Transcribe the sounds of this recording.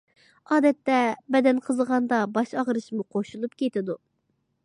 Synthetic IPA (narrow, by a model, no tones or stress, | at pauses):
ɑːd̪ɛt̪ːɛbɛd̪ɛnqʰəzəʁɑnd̪ɑbɑʃɑʁɾɨʃmuqʰoʃulˠup̚kʲʰet̪ɪd̪u